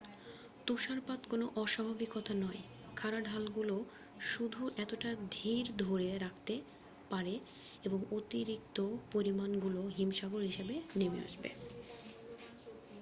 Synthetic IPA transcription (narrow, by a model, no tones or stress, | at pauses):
t̪uʃaɾpat̪konoʔɔʃabʱabikɔt̪ʰanɔe | kʰaɾaɖʱalɡulo | ʃud̪ʱuʔɛt̪oʈad̪ʱiɾd̪ʱoɾeɾak̚ʰt̪e | paɾe | eboŋot̪iɾik̚t̪opoɾimanɡuloɦimʃaɡoɾɦiʃebenemea̰ʃbḛ